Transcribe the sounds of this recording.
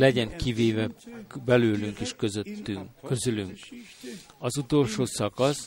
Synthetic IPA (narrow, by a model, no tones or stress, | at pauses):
lɛɟɛŋkiveːvɛbɛløːlyŋkeːʃøzøt̪ːykøzylyŋk | ɒzut̪o̞lʃoːsɒkɒs